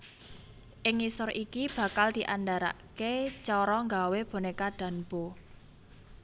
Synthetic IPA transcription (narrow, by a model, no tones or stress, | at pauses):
ʔɪŋisʊrʔikib̥ä̤kald̪̥i̤ʔand̪aɾa̰ʔket͡ʃɔɾɔŋɡaweb̥o̤nekaɖ̥ä̤nb̥o